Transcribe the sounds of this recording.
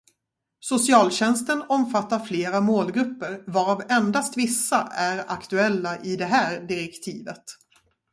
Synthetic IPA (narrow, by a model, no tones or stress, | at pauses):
sʊsɪɑːlɕɛnst̪ənɔmfat̪ːaɾfleːɾamoːlɡɾɵpːəɾvaɾavɛnd̪ast̪vɪsːaʔæɾakt̪ɵɛlːaʔɪd̪ɛɦæːɾɖɪɾɛkt̪ʰiːvət̪